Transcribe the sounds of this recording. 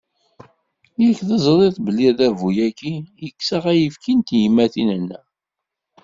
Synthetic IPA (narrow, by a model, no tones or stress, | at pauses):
jəlçðəzˤɾˤeðˤbəlːiðævujækijəkːsaʁæjəfkint̪jimːæθinənːæ